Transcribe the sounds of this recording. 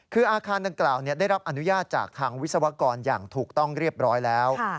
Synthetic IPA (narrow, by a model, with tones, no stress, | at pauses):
kʰɯː˧ʔaː˧kʰaː˧nda˧ŋklaː˨˩wni˦˥˩ɐda˥˩jɾa˦˥p̚ʔa˧nu˦˥jaː˥˩t̪̚t͡ɕaː˨˩k̚t̪ʰaː˧ŋw̪̚sa˧wa˧˥kɔː˧njaː˨˩ŋt̪ʰuː˨˩k̚t̪ɔ˥˩ŋɾi˥˩əp̚ɾɔː˦˥jlɛː˦˥wʰ